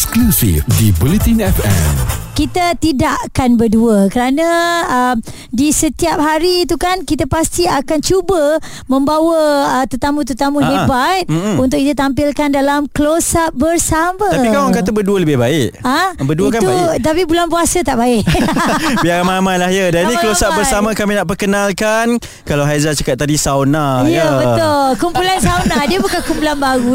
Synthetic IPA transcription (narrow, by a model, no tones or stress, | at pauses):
sklusḭfdibulit̪inɛfɛ̰mkit̪at̪idaʔkanbərduəkəɾanə̃əm | disət̪iap̚ɦaɾiːt̪ukankit̪apast̪iakant͡ʃubə | mə̃mbawəət̪ət̪amũt̪ət̪amũɦebat̪̩̚unt̪ʊkit̪at̪ampilkandalamklosaʔ̚bərsamə̃t̪apikaaŋkaabəduələbɪhbaɪʔabəduk̬ant̪ubt̪apibulanp̬uasət̪aʔbaɪʔ | biaɾamamajlahjədaɾinĩkəlosaʔbərsamãkaminaʔpərkənalkan | kalawɦazat͡ʃakat̪̚ːadisawnajəbət̪ʊlkumpulansawnahdiəbukankumpulanbaɡu